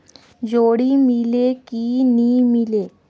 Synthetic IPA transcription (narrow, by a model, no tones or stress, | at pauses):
d͡ʑoɽiːmilekiniːmile